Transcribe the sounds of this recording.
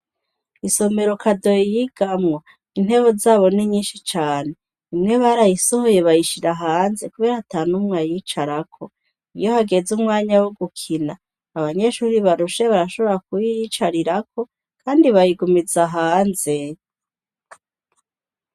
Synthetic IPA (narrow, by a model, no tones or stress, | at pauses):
iso̞me̞ɾo̞kʰado̞jijiɡ̥amŋo | in̥he̞βozaːβo̞niɲiːnʃit͡ʃaːne̞ | imŋe̞βaɾajiso̞ho̞je̞βajiʃiɾaɦaːnze̞kuβe̞ːɾahataːnumŋwajiːt͡ʃaɾakʰo̞ | ijo̞haɡe̞zumŋaːɲawuɡukʰinaː | βaɲe̞ʃuːɾiβaɾuʃe̞βaɾaʃo̞βo̞ɾak̚ujit͡ʃaɾiɾako̞ | kaːndiβajiɡumid͡zaɦaːnze̞